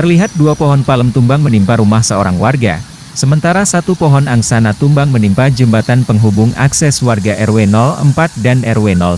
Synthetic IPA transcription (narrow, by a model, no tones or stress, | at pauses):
t̪ərliɦat̪̚duapɔɦɔnpaləmt̪umbaŋmənimpaɾumahsəo̰ɾaŋwarɡa̰ | səmənt̪aɾasat̪upɔɦɔnaŋsanat̪umbaŋmənimpad͡ʒəmbat̪anpəŋɦubʊŋa̰ksɛswarɡaʔɛrwenɔlə̰mpat̪̚danɛrwenɔ̰l